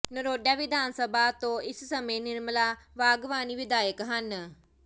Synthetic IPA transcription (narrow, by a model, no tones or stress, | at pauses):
nəɾoːɗjaʋɪd̪ʱaːnsɐbʱat̪oɪssɐmenɪɾməlaʋaːɡʋaːniʋɪd̪aːjəkɦɐn